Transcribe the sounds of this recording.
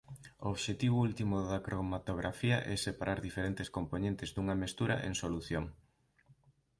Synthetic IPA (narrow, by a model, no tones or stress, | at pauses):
ooβʃet̪iβʊult̪imʊðɐkɾomat̪oɣ̞ɾafiɐʔɛsepaɾʔaɾðifeɾent̪eskomponẽnt̪ezd̪uŋɐmest̪uɾɐ̰ʔḛŋsoluθjoŋ